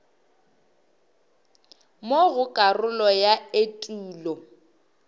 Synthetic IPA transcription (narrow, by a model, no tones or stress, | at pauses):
moɣʊkʼarʊlɔjaetʼuːlɔ